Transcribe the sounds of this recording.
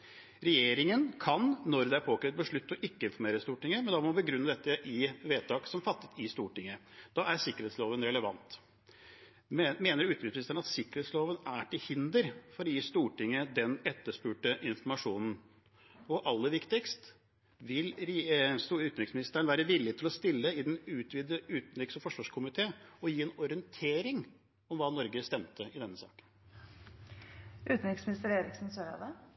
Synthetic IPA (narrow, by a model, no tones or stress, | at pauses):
ɾɛjeːɾɪŋənkʰɑnːɔɾd̪ɛæɾpʰoːkʰɾɛət̪̚bəʂɭʉt̪ːɔʔɪkːəɪnfɔɾmeːɾəst̪uːʈɪŋːəmɛnd̪ɑmɔbəɡɾʉnːəd̪ɛt̪ːəʔɪʋeːt̪ʰɑːksɔmfɑt̪ːə̥t̪ɪst̪uːʈɪŋːəd̪̥ɑːʔæɾsɪkːəɾeːt̪sloːʋənɾɛləʋɑ̰nt̪ | meːnəɾʉːt̪ʏsmɪst̪əɳ̩ɑt̪sɪkːəɾhet̪sloːʋənæʈɪlhɪnd̪əɾfɔɾɔjiːst̪uːʈɪŋːəd̪ɛnɛt̪ːəʂpʉːʈəʔɪnfɔɾmɑʂuːnn̩ | ɔʔɑlːəʋɪkt̪ɪkst̪ | ʋɪlɾsʉːt̪nɾɪksmɪnɪst̪əəɳʋæːɾəʋɪlːɪt̪ɪlɔst̪ɪlːəɪd̪ɛnʉːt̪ʋiːd̪əʉːt̪nɾɪksɔfɔʂʋɑːʂkʰʊmɪt̪ʰeːɔjiːɛnɔɾɪənt̪ʰeːɾɪŋ | ɔmʋɑːnɔɾɡəst̪ɛmt̪ʰəʔɪd̪ɛnːəsɑ̰ːkən | ʔʉːt̪n̩ɪksmɪnɪst̪əɾeːɾɪksn̩søɾɑ̰ʋ̪ə